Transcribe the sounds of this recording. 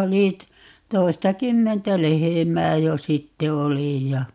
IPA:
oli t toistɑkymːentæ lehemæː jo sitːe oli jɑ

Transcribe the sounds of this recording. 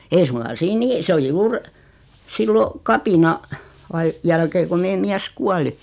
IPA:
ei suŋkɑ siːn niː sĕ oli juːr silːo kɑpinɑ ɑi jælkeː ku meː miæs kuɑli

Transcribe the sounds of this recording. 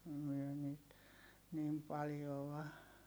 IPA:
myø niːt niːm pɑljoʋ̆ɑ

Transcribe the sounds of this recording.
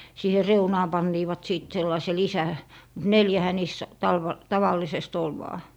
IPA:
siːhe reunɑː pɑnːiːʋɑt siˑt selːɑise lisæ mut neljæhæ niːs tɑlʋ tɑʋɑlːisest ol ʋɑː

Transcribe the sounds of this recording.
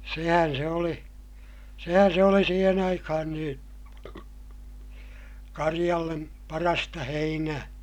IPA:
sehæn se oli sehæn se oli siːhen ɑikɑhɑn niːn̞ kɑrij̆ɑlːem pɑrɑstɑ heinæː

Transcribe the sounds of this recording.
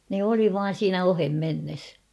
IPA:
ne oli ʋɑːn̞ siːnæ ohemːenːes

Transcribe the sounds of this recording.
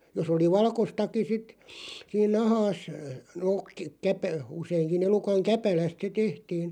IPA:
jos oli ʋɑlkostɑki sit siːn nɑhɑːs noːk k̆ kæpæ useiŋki elukɑŋ kæpælæst se tehtiːn

